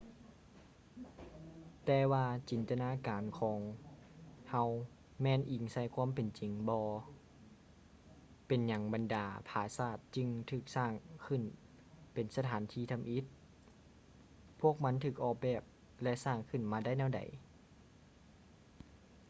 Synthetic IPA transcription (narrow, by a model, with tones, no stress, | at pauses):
t̪ɛː˧waː˧t͡ɕi˨˩nt̪a˧naː˧˥˨kaː˨nkʰɔː˨˦ŋ | ha˧˥w | mɛː˧˨nʔi˨˩ŋsa˧˩jkʰwaː˧˥˨mpe˨nt͡ɕi˨˩ŋbɔː˧ | pe˨nɲa˨˩ŋba˨ndaː˨˧pʰaː˧˩saː˧˩t̪̚t͡ɕɯ˧ŋt̪ʰɯː˧˩k̚saː˧˩ŋkʰɯ˧˩˨n | pe˨˩nsa˧t̪ʰaː˨˦nt̪ʰiː˧˩t̪ʰa˧˨mʔi˧˦t̪̚ | pʰu˥˩ək̚ma˦˥nt̪ʰɯː˧˩k̚ʔɔː˧˩k̚bɛː˧˩p̚ | lɛ˧ʔsaː˧˩ŋkʰɯ˧˩˨nmaː˧da˥˩jnɛ˧˥˩wda̰˨j